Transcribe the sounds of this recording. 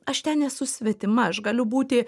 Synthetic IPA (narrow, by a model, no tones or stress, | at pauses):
ɐʃt̪ʲɛnnʲɛsʊsʲʋʲɛt̪ʲɪmɐɐʃɡɐlʲʊbuːt̪ʲɪ